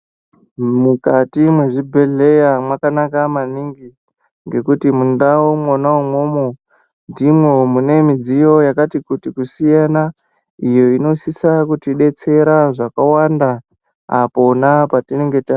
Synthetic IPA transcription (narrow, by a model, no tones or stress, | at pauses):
mukatimweʐibʱe̞ɮe̞jamwakanakamaniŋɡi | ŋɡe̞kutimundawomwonaumo̞ːmo | ndimwe̞mune̞mid͡zijo̞jakatikutikusijana | ijo̞ino̞sisakutiɗe̞t͡se̞ɾaʐakawanda | a̰po̞napatine̞ŋɡe̞ta